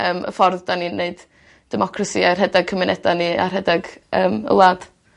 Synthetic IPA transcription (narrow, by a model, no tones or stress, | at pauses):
əːmə̰fɔrðdaninːeɨd | d̥ɛmɔkʰrasiarɦɛdaɡ̚kʰəmɪnʔɛdania̰rɦɛdaɡəːmə̰lˠaːd̥